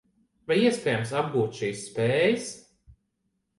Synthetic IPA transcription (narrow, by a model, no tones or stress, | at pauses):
vajiɛspɛːjamsab̚ɡuːt̪ʃiːsːpeːjɨs